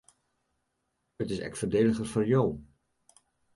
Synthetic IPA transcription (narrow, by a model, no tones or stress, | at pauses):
ətɪsɛ̰ktfəɹdejləχərvʊɹjaw